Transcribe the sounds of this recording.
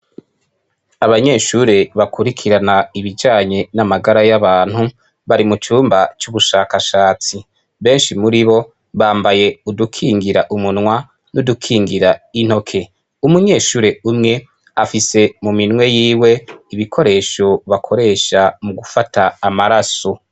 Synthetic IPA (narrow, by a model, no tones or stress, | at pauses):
aβaɲe̞ːʃuɾe̞βakʰuɾikʰiɾanaiβid͡ʒaːɲe̞namaɡaɾajaβaːn̥hu | βaɾimut͡ʃuːmbat͡ʃuβuʃaːkaʃaːt͡si | βe̞ːnʃimuɾiβo̞ | βaːmbaje̞udukʰiːŋɡiɾaʔumunŋwa | nudukʰiːŋɡiɾain̥ho̞kʰe̞ | umuɲe̞ːʃuːɾe̞umŋe̞ | afise̞muminŋwe̞jiːwe̞iβikʰo̞ɾe̞ːʃo̞βakʰo̞ɾe̞ːʃamuɡufatʰaːmaɾaso̞